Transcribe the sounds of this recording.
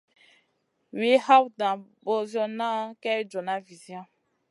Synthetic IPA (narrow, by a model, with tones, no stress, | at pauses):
wi˦ha˦wdã˨bo˦zjɔ˦na˦kɛ˦d͡ʒɔ˨na˦vi˨zi˦ã˦